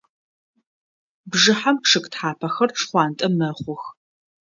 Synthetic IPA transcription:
bʐɨħampʂʰɨkʼtħaːpʰɐxɐrʈ͡ʂʰχʷɑːntʼɐmɐχʷʊx

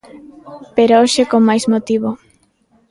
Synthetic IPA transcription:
peɾooʃekoŋmajsmot̪iβ̞o

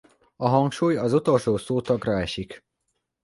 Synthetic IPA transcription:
ɒɦɒŋkʃuːjɒzut̪o̞lʃoːsoːt̪ɒɡrɒɛʃik

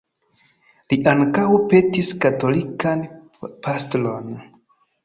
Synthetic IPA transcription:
liʔaŋkawpe̞tiskato̞likan | pʰastolo̞n

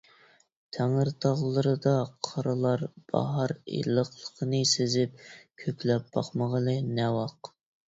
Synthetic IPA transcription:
t̪ʰɛŋəɾt̪ʰɑʁlˠəɾɨd̪ɑqʰɑɾɨlˠɑɾb̥ɑ̰ɦɑɾḛlˠəχlˠə̥qʰənɨsezɪp̚kʲʰøkʲlɛp̚b̥ɑχməʁəlˠɨnɛwɑq

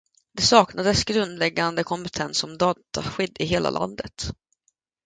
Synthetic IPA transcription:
d̪ɛsɑːknad̪əsɡɾɵnd̪lɛɡːand̪əkʰɔmpət̪ʰɛnsɔmd̪ɑːt̪aɧʏd̪ːɪɦeːlʔa̰lʔa̰nd̪ət̪

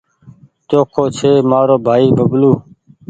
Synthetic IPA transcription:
t͡ʃoːkʰoːt͡ʃʰeːmaːɾoːbʱaːiːbʱəbluː

